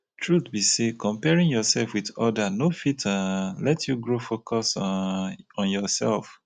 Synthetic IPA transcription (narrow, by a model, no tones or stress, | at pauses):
tʰɹuθbisekɔ̃mpɛɹĩŋjɔsɛlfwiðɔdanofitʰalɛtʰjuɡɹofokʰɔs | ɔ̃njɔsɛlf